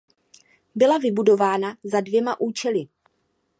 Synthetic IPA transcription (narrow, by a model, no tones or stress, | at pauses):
bɪlavɪbudo̞vaːnazadvjɛmaʔuːt͡ʃɛlɪ